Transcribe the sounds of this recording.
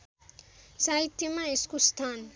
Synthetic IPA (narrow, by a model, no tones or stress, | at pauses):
sait̪jomaeskost̪ʰan